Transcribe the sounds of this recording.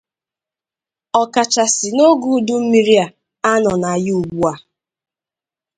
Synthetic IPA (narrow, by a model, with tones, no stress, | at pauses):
ɔ˨ka˨t͡ʃa˨sɪ˨no˦ɡu˨˦du˦m̩˦mi˦ɾi˦a˨ | a˦nɔ˨na˨jɪ˦u˨ɡ͡bu˦a˨